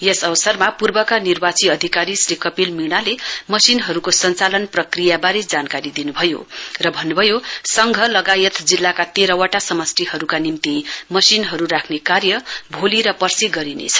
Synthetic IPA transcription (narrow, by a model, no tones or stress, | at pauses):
jesʌbʌsʌrmapurbʌkanirbat͡siʌd̪ʱikaɾisrikʌpilmiɽ̃nalemʌsinɦʌɾukosʌnt͡salʌnprʌkrijabaɾed͡zankaɾid̪inubʱʌjo̰rʌbʱʌnːubʱʌjosʌŋɡʱʌlʌɡajʌt̪d͡zilːakat̪eɾʌwaʈasʌmʌsʈiɦʌɾukanimt̪imʌsinɦʌɾurakʰnekarjʌbʱoliɾʌpʌrsiɡʌɾinḛt͡sʰʌ̥